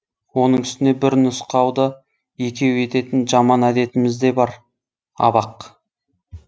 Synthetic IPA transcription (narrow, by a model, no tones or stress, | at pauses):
wo̞nəɴʏst̪ɪnebɪɾɪnʊsqɑwd̪ə | je̞kʲe̞we̞t̪e̞t̪ɪnʒɑmɑnæd̪e̞t̪ɪmɪzd̪e̞bɑɾ | ɑ̰bɑq